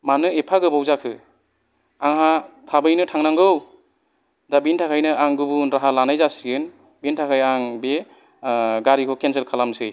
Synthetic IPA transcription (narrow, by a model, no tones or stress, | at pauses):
manɯepʰaɡɯbɔwzakʰɯ | aŋɦatʰabɯjnɯtʰaŋnaŋɡɯw | dabintʰakʰajnɯʔaŋɡubunɾaɦalanajzasiɯn | bintʰakʰajaŋbe | ɡaɾikʰɔkʰenselkʰalamsej